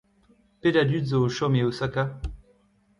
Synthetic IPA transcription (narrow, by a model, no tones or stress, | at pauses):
ped̪ad̪ydzoːʃɔmeosaka